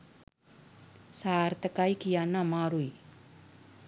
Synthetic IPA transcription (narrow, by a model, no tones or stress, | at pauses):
sart̪əkaikijanamaɾui